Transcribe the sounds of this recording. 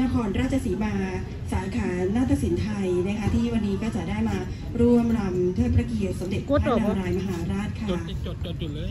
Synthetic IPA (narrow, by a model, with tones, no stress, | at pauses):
na˦˧˥kʰɔː˧nɾaː˥˩t̚t͡ɕʰa˧siː˩˦maː˧ | saː˨˩˦kʰaː˩˦naː˥˩t̪ʰːa˧˥si˩˦nt̪ʰa˧jna˦˥kʰa˦˥t̪ʰiː˥˩wa˧nːiː˦˥kɔː˥˩t͡ɕa˨˩daː˥˩jmaː˧ | ɾu˥˩əmɾa˧mt̪ʰɯ˥˩ənpʰɾa˧˦ki˨˩ə˩t̪̚so˩˦mde˨˩t̪̚ʰːna˧˨ɾaː˧jma˧ɦaː˩˦ɾaː˥˩t̪̚kʰa˥˩